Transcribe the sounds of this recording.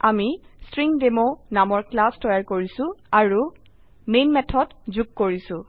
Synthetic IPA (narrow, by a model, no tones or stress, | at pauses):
amistɹiŋdemonamɔɹklastɔjaɹkoɹisʊ̃aɹu | menmɛtʰɔtzuɡ̚koɹisʊ̃